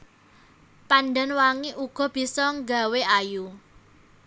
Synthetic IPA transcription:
panɖanwaŋiʔuɡ̥ɔ̤b̥i̤sɔŋɡa̤weʔaju

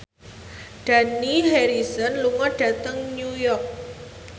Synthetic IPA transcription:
ɖ̥a̤niɦeɾisɔnluŋɔɖ̥ä̤t̪əŋnujɔrk̚

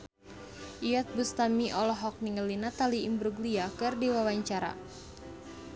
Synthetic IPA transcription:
ʔijat̪̚bust̪amiʔɔlɔɦɔk̚niŋəlinat̪aliimbɾuɡliakɨrdiwawaɲt͡ʃaɾa̰

